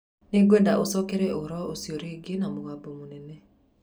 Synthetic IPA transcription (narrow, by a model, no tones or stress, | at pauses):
neɡwɛndaʔosɔkeɾɛʔoɾɔosioɾeɡenamoɣabɔmonɛnɛ